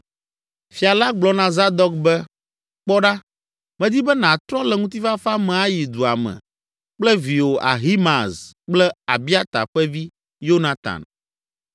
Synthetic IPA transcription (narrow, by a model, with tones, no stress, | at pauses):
fi˨a˨la˦ɡ͡blɔ˨˦nã˨za˦d̪ɔ˦k̚bɛ˦ | k͡pɔ˦ɖa˦ | mɛ̃˦d̪i˦bɛ˦nã˨t̪ɾɔ˦lɛ˨ŋũ˦t̪̬i˦va˦fa˦mɛ̃˨a˦ji˨d̪u˨a̰˨mɛ̰̃˨ | k͡plɛ˦vi˨wo˨ʔa̰˨ɦi˦mã˨zk͡plɛ˦a˨bi˦a˦t̪a̰˨ɸɛ˦vi˦ | jo˦nã˨t̪a̰˨n